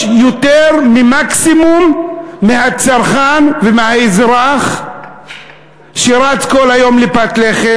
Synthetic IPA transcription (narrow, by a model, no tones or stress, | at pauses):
jot̪eʁmimaksimumːehat͡saɾχanvemehaezɾaχ | ʃeɾat͡skolhajo̞mlepat̪leχe